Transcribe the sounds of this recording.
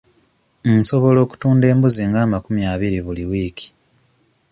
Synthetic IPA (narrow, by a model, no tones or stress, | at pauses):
nso̞βo̞lo̞ːku̥tuːnde̞ːmbuziŋɡaːmakumjaːβiɾiβuliwiːki̥